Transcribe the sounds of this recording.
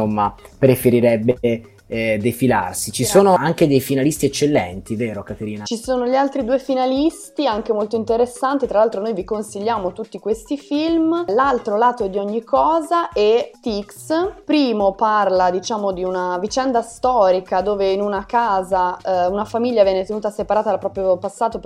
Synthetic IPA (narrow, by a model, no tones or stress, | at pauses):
omːapɾefeɾiɾɛbːe | d̪efila̰rsit͡ʃisoːnoaŋk̟ed̪ejfinalist̪iɛt͡ʃːelːɛnt̪iveːɾokat̪eɾiːnat͡ʃisoːnoʎialt̪ɾid̪uːefinalist̪iaŋk̟emolt̪oint̪eɾesːant̪it̪ɾalalt̪ɾonojvikonsiʎːaːmot̪ut̪ːikwest̪ifilmlalt̪ɾolaːt̪oɛd̪ːiɔɲːikʰːɔːzaʔɛt̪ikspɾiːmoparlad̪it͡ʃaːmod̪iunavit͡ʃɛnd̪ast̪ɔːɾikad̪oːveinunakaːzaunafamiʎːavjɛːnet̪enuːt̪asepaɾaːt̪ad̪lpːɾɔːpɾjopasːaːt̪o